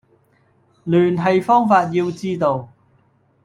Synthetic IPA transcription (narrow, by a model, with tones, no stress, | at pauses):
lyː˨˩nɦɐ˨jfɔː˥ŋfaː˧t̚jiː˧wt͡siː˥t̪o˨˧w